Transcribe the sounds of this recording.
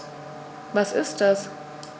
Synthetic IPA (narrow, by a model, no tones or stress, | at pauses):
vasɪst̚d̥as